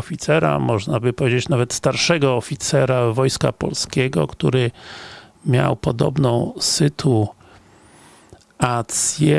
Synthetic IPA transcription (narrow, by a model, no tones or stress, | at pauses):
ɔfʲit̪sɛɾa̰mɔʐnabɘpɔvʲjed͡ʑet͡ɕnavɛt̪st̪aɾʂɛɡɔːfʲit̪sɛɾavɔjska̰pɔ̰lskʲeɡɔ̰kt̪uɾɘ | mʲja̰wpɔd̪ɔ̰bnɔ̃w̃sɘt̪ʰu | at̪sʲjɛ